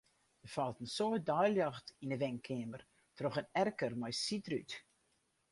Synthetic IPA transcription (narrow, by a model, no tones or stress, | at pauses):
dəfɔlˠtənsoət̚dɔjljɑxtinəʋɛŋkʰɪəmər | troxənɛrkərmɔjsitryt